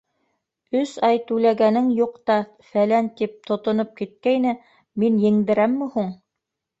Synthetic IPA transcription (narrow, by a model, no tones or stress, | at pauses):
ɵsɑjt̪ʉlæɡænɘŋjuqt̪ɑ | fælænt̪ip̚t̪ŏt̪ŏnop̚kit̪̚kæjnɘ | minjɘ̆ŋd̪ɘ̆ɾæmːɘhuɴ